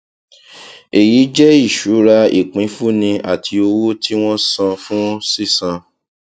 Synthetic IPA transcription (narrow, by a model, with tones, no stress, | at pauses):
e˨ji˨˦d͡ʒɛ˦i˦˨ʃu˨˦ɾa˧ḭ˨k͡pĩ˨˦fu˦nĩ˧a˦˨tʰi˧o˧wo˦tʰi˦w̃ɔ̃˦sã˧fũ˦si˦˨sã˧